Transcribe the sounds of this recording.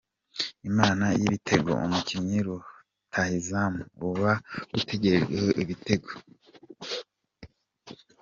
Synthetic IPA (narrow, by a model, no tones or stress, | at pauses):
imaːnajiβitʰe̞ɡo̞̰ṵmucimɲiɾu | tʰahizamuβaɡ̥ute̞ɟe̞ɾeɡehoʔiβite̞ɡo